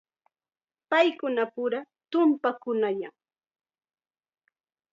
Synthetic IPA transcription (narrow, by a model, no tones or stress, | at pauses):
pajkʊnapʊɾa | t̪ʊmpakʊnajaŋ